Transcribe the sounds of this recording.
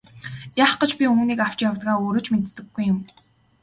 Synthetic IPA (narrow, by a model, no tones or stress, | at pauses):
jaːχɢə̆t͡ɕpʲiuniːkaw̥t͡ɕjawt̪ɡaːoːɾŏːt͡ɕmet̪ːɘ̆ɡːujʊ̆m